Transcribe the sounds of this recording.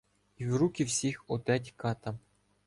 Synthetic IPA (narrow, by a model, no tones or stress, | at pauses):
iwɾukʲiwsʲixɔt̪ɛtʲkɑt̪ɐ